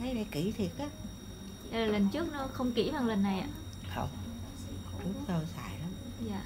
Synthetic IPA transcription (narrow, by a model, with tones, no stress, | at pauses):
ə˨˦ɗa˧˩˦ki˧˩˦t̪ʰi˨˩ət̚ʔa˨˦ | ɲa˧laː˨˩lə˨˩nt͡ɕɨ˦˥ək̚nɔ˨˦xə˧wŋ͡mkḭ˧˩vaː˧ŋlə˨˩nːa˨˩jʔa̰ː˨˦ | xə̰˧wŋ͡m | o˧˩lu˦˥k̚t̪o˧jsa̰ː˧˨jla˨˦m | jaː˧˨